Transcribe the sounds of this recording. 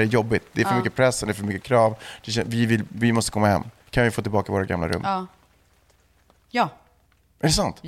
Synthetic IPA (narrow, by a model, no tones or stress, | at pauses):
ɾɛjɔbːɪt̪̚d̪ɛæɾfœɾmʏkːəpʰɾɛsːɛnd̪ɛɾfœɾmʏkːəkʰɾɑːvd̪̥ɛɕɛvɪvɪlvɪmɔst̪ə̥kʰɔmːahɛ̰mː | kʰanvɪfoːt̪ɪlbɑːkavoːɾaɡa̰mla̰ɾɵ̰mː | ɛɾɛsant̪